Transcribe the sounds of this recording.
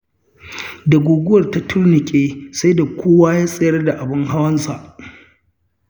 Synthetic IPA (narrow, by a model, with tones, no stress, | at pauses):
da˨ɡʷuː˨ɡʷʊ˦wɐ˨rta˨tʰʊ˦rnɪ˨kʲʼeː˦sa˦jda˨kʷoː˦waː˦jaː˦sʼɐ˦jɐ˦rda˨ʔa˨bɪ˦ŋɦa˦wɐ˦nsa˨ʔ